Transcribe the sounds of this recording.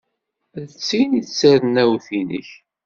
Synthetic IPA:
ðt͡sːiniθt͡sːəɾnæwθinə̰ç

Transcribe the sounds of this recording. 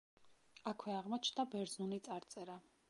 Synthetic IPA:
akʰwɛaʁmɔt͡ʃʰd̪abɛɾzunit̪sʼaɾt̪sʼɛɾa

